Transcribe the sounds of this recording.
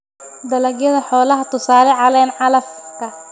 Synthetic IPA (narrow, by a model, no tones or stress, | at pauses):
d̪ɐlɐɡjɐðɐħɔːlɐɦɐt̪ʰʊsaːlɛʕɑlɛːnʕɑlɐfkʰɐ